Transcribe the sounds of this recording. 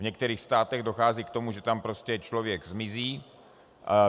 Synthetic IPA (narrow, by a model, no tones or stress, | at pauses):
vɲɛkt̪ɛɾiːxst̪aːt̪ɛɣdo̞xaːziːkt̪o̞muʒɛt̪ampɾo̞scɛt͡ʃlo̞vjɛɡzmɪziː